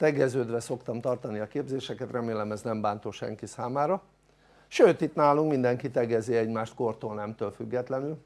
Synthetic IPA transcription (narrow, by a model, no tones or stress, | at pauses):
t̪ɛɡɛzøːd̪ʋɛso̞kt̪ɒmt̪ɒrt̪ɒniɒkeːbzeːʃɛkɛt̪rɛmeːlɛmɛznɛmbaːnt̪oʃɛ̰ŋkisaːmaːɾɒ | ʃøːt̪it̪naːluŋkmind̪ɛŋkit̪ɛɡɛziɛɟmaːʃt̪ko̞rt̪oːlnɛmt̪øːlfyɡːɛt̪lɛnyl